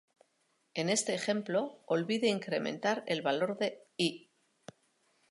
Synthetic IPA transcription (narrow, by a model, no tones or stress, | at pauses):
e̞ne̞st̪e̞ːχe̞mplo̞olβiðeiŋkɾe̞mẽ̞̰nt̪aɾe̞lβalo̞ɾðe̞i